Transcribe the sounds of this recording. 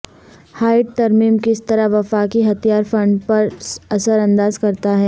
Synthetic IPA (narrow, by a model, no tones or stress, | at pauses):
haːɪʈ̚t̪ɐɾmiːmkɪst̪ɐɾaɦʋɐfaːkiɦɐt̪ijaːɾfɐ̃ɳɖpɐɾɐsəɾɐ̃nd̪aːzkɐɾt̪aɦɛː